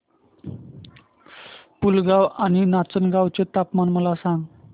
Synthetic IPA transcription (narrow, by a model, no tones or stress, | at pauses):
pulɡawaninat͡sənɡawt͡ɕet̪apmanməlasãŋɡ